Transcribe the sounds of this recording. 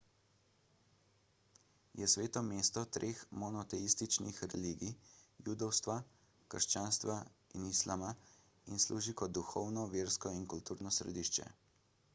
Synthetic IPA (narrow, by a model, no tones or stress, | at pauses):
jɛsʋeːt̪ɔmeːst̪ɔt̪ɾʔeːxmɔnɔt̪ɛist̪it͡ʃnixɾɛ̰liːɡijuːd̪ɔwst̪ʋa | kəɾʃt͡ʃaːnst̪ʋainislʔaːma | inslʔuːʒikɔd̪uxɔwnɔʋeːɾskɔinkult̪uːɾnɔsɾɛ̰d̪iʃt͡ʃɛ̰